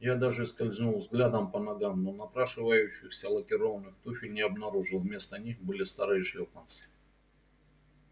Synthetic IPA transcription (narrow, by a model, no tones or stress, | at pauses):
jad̪aʐɨɪskɐlʲzʲnulˠvzɡlʲad̪əmpənɐɡamnonɐpɾaʂɨvəjʉɕːɪxsʲəlˠəkʲɪɾo̞vənːɨxt̪ufʲɪnʲɪɐbnɐɾuʐɨlˠvmʲe̞st̪ənʲixbɨlʲɪst̪aɾɨjəʂlʲopans